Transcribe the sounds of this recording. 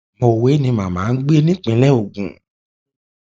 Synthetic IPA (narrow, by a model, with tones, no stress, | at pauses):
mo˧˨we˨˦nĩ˧mã˨mãː˨˦n̩˦ɡ͡be˦nĩ˦k͡pĩ˧˦lɛ˦o˨ɡũ˨